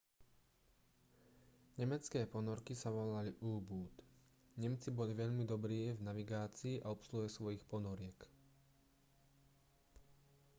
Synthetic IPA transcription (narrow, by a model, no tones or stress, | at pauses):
ɲɛmɛt͡skɛːpɔnɔɾkisaʋɔlaliʔuːbuːt̪ | ɲɛmt͡sibɔliʋɛʎmid̪ɔbɾiːvnaʋiɡaːt͡siːʔaɔpsluɦɛsʋɔjixpɔnɔɾɪɛk